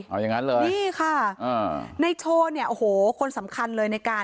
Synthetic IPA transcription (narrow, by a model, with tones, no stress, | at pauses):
ʔaː˧˩ja˨˩ŋa˦˥nlɤː˧niː˥˩kʰa˥˩ʔəː˧˩na˧jt͡ɕʰoː˧ni˥˩ɐʔo˧˩hoː˩˦kʰo˧nsa˩˦mkʰa˧nlɤː˧jna˧jkaː˧